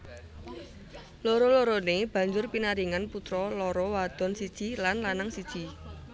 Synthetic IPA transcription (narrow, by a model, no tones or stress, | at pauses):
loɾoloɾoneb̥ä̤ɲd͡ʒʊrpinaɾiŋanput̪ɾɔlɔɾɔwad̪̥ɔ̤nsid̥ʒ̥ilanlanaŋsid̥ʒ̥i̤